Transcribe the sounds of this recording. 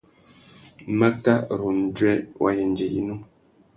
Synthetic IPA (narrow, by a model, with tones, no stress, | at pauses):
ma˦ka˦˨ɾu˨n˨d͡ʒwɛ˦wʔa̰˨jɛ˨n˨d͡ʒɛ˨ḭ˦nu˦